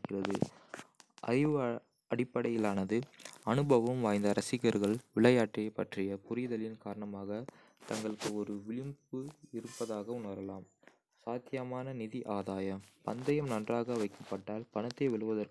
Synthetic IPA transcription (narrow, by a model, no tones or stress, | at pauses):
kːɪrɐðɯ̰ | ʔɐ̰ɾɪʋ | ɐɽɪpːɐɽɐjɪlaːnɐðɯɐnɯbɐʋɐmʋaːjnd̪ɐɾɐsɪɣɐɾɣɐɭʋɪɭɐjaːʈrɪɐpːɐʈrɪjɐpʊɾɪjðɐlɪnkaːɾɐɳɐmaːɣɐ | t̪ɐŋɡɐɭɯkːɯɔɾɯʋɪɭɪmbɯɪɾɯpːɐðaːɣɐʊnɐɾɐlaːm | saːd̪jɐmaːnɐnɪðiʔaːðaːjɐmpɐ̰nd̪ɐjɐmnɐndraːɣɐʋɐɪkːɐpːɐʈːaːlpɐnɐt̪ːeːʋɛɭɯʋɐðɐɾk